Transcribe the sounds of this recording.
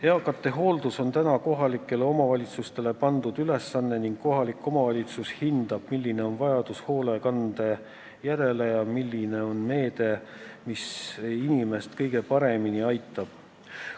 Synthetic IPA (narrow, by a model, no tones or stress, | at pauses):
he̞ɑkːˑɑt̪ːˑe̞ɦo̞ːld̪uso̞nt̪ænɑko̞ɦɑlikːˑe̞le̞o̞mɑvɑlʲit̪sust̪e̞le̞pɑnd̪̥ud̪̥yle̞sːɑnːe̞niŋɡ̥̚kːo̞ɦɑlikːˑo̞mɑvɑlʲit̪sushind̪ɑb̥milʲːine̞o̞nvɑjɑd̪̥usho̞ːle̞kɑnd̪̥e̞ | jæɾe̞lejɑmilʲːine̞o̞nme̞ːd̪̥e̞misinime̞st̪kɤjɡ̥e̞pɑɾe̞miniɑjt̪ːˑɑb̥̚